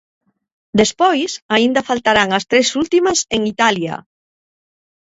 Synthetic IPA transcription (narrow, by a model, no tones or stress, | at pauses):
d̪espojsaind̪ɐfalt̪aɾaŋɐst̪ɾesult̪imɐseŋit̪alja̰